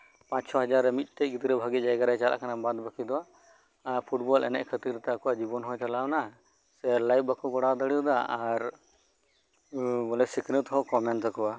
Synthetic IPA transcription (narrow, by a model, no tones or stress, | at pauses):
pãt͡ʃsɔɦad͡ʒaɾːɛmit̪̚ˀt̪ɛɡit̪ɾɛbʱaɡit̪̚d͡ʒajɡaɾajt͡ʃala̰ʔkanabãd̪bakʰid̪ɔwaː | ɾpʰuʈ̚bɔlʔɛ̰nɛ̰ʔkʰət̪iɾt̪ɛakɔwad͡ʒibɔnɦɔt͡ʃalana | sɛlajp̚bakʰuɡɔɽad̪əɽid̪aaɾ | ɡɔlɛsiknət̪ɦɔkɔmɛɳʈsakɔwa